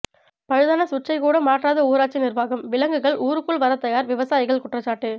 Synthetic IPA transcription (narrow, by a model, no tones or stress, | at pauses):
pɐɻɯðaːnɐsʊt͡ʃːɐɪkuːɽɐmaːʈraːðɐuːɾaːt͡ʃːɪnɪrʋaːɣɐmʋɪlɐŋɡɯɣɐɭʔuːɾɯkːɯɭʋɐɾɐt̪ːɐjaːɾʋɪʋɐsaːjɪɣɐɭkʊʈrɐt͡ʃːaːʈːɯ